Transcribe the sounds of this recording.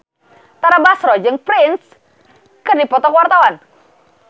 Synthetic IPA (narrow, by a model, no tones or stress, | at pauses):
t̪aɾabasɾɔd͡ʒɨŋpɾɪns | kɨrdipɔt̪ɔkwart̪awan